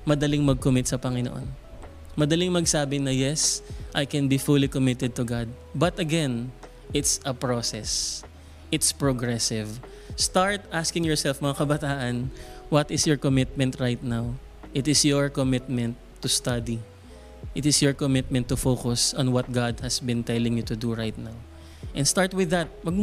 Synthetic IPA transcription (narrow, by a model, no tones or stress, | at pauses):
mɐd̪ɐlɪŋmɐɡ̚kʊmɪt̪̚sɐpɐŋɪnoʔo̰n | mɐd̪ɐliŋmɐɡsaːbɪnɐjɛsʔajkɛnbifulikʊmɪt̪ɛd̪̚t̪ʊɡad̪̚ | bɐt̪ɐɡɛ̃n | ʔɪt̪sɐpɹosɛs | ʔɪt̪spɹoɡɹɛsɪv | st̪aɹt̪ʔaskɪ̃ŋjɔɹsɛlfmɐŋakɐbɐt̪aːʔɐnwɔt̪ɪsjɔɹkɔmɪt̪̚mɛ̃nt̪ɹajt̪̚naw | ʔɪt̪ɪsjɔɹkɔmɪt̪̚mɛ̃nt̪ːʊst̪ad̪i | ʔɪt̪ɪsjɔɹkɔmɪt̪̚mɛ̃nt̪ːʊfokʊsɔ̃nwɐt̪̚ɡad̪̚hɐsbɪ̃nt̪ɛlɪ̃ŋjut̪ʊd̪uɹajt̪̚naw | ʔɛ̃nst̪aɹt̪wɪðːɐt̪̚pɐɡ̚